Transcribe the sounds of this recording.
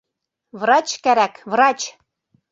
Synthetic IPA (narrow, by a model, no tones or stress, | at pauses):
βrɑt͡ɕkæɾækvrɑt͡ɕ